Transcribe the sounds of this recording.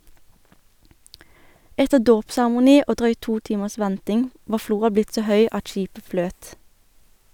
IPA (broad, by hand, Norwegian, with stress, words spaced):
ˈɛtəʁ ˈdoːpsæʁəmʊˌniː ˈʔoː ˈdʁœʏt ˈtuː ˈtiːməs ˈʋɛntɪŋ ˈʋɑː ˈfluːʁɑ ˈblɪt ˈsoː ˈhœʏ ˈʔɑt ˈʃiːpə ˈfløːt